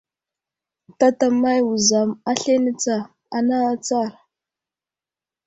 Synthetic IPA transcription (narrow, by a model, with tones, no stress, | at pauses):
ta˦ta˨ma˦jwu˨za˨ma˦ɬe˦nə˦t͡sa˨ | a˨na˦t͡sa˦˨ɾ